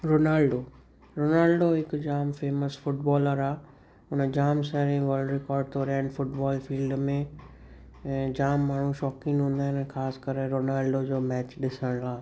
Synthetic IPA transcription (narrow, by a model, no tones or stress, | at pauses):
ɾoːnaːlɖoː | ɾoːnaːlɖoɦɪkd͡ʑaːmfeːməsfʊʈbɔːləɾaː | ʊnəd͡ʑaːmsɛɾĩɡɔːlɖɾekɔːɾɖ̚t̪ʰoːɾɛ̃ːɳɖfʊʈbɔːlfiːlɖmẽ | d͡ʑaːmːaːɳ̤ũʃɔːkɪ̃ŋɡɦũːnd̪aːɦɪñːxaːskəɾəɾoːnaːlɖod͡ʑoːmɛːt͡ɕɗɪsəɽ̃əlaː